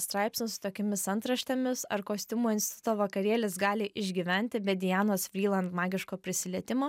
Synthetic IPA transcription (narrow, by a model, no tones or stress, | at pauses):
st̪ɾɑˑɪpsʲnʲɪsʊ̥t̪oːkʲɛmʲɪsɐnt̪ɾɐʃʲt̪ʲɛmʲɪsɐɾkoːsʲt̪ʲɪmuːɪnʲsʲt̪ʲt̪ʊ̥t̪oːʋɐkɐɾʲiɛlʲɪsɡɑːlʲɪʔɪʒʲɡʲiʋʲɛnʲt̪ʲɪbʲɛd̪ʲɪjæːnoːsfʲɾʲiːlˠɐnt̪mɑːɡʲɪʃkoːpʲɾʲɪsʲɪlʲɛt̪ʲɪmoː